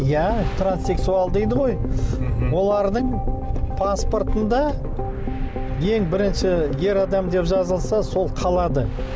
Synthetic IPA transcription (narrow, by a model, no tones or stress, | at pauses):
jæt̪ʰranse̞ksualˠd̪ejd̪əʁo̞j | wo̞lˠɑɾd̪əɴpʰaspo̞rt̪ənd̪ɑ | je̞ŋbɪɾɪnʃɪje̞ɾɑd̪ɑmd̪e̞pʒɑzəlˠsɑso̞lˠqʰɑlˠɑd̪ə